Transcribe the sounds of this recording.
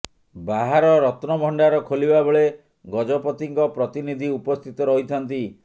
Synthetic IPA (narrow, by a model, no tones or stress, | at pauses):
baɦaɾɔɾɔt̪nɔbʱɔɳɖaɾɔkʰolibabeɭe | ɡɔd͡ʒɔpɔt̪iŋkɔpɾɔt̪inid̪ʱiupɔst̪ʰit̪ɔɾɔɦit̪ʰɔnt̪i